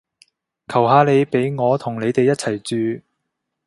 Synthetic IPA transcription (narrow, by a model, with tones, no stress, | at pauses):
kʰɐ˨˩wɦaː˨˧le˨˧jpe˨˥jŋɔː˨˧t̪ʰʊ˨˩ŋle˨˧jt̪e˨jɐ˥t̚t͡sʰɐ˨˩jt͡ʃyː˨˧